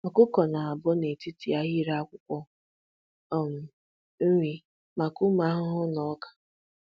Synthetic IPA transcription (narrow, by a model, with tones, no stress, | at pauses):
ma˨kʊ˦kɔ˨na˨a˨bʊ˦ne˨ti˦ti˨a˦ɣi˦ɾa˦a˦kʷʊ˦kʷɔ˦˨ | m̩˨˦ | ŋʷi˦ | ma˨kʊ˦ma˦ɦʊ˦ɦʊ˦nɔ˨˦kḁ˨